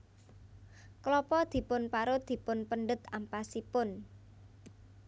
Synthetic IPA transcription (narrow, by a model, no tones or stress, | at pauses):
klɔpɔd̪̥i̤pʊnpaɾod̪̥i̤pʊnpənɖət̪ampasipʊn